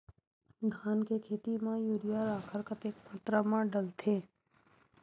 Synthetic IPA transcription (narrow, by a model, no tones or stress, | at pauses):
d̪ʱaːnkekʰeːt̪imãjuːɾijaɾaːkʰəɾkət̪eːkmaːt̪ɾamãɖəlt̪ʰeː